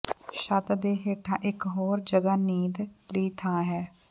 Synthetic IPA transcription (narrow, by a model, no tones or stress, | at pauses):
ʃət̪d̪eːɦeːʈʰãːʔɪkɦoːɾd͡ʒəɡaːniːd̪liːt̪ʰaːɦɛː